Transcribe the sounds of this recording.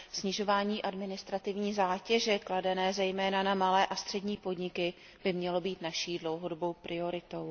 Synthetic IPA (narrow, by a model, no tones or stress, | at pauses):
sɲɪʒo̞vaːɲiːʔadmɪnɪst̪ɾat̪ɪvɲiːzaːcɛʒɛkladɛnɛːzɛjmɛːnanamalɛːʔast̪r̝̥ɛdɲiːpo̞dɲɪkɪ | b̥ɪmɲɛlo̞biːt̪naʃiːdlo̞wɦo̞dobo̞wpɾʔɪo̞ɾɪt̪o̞w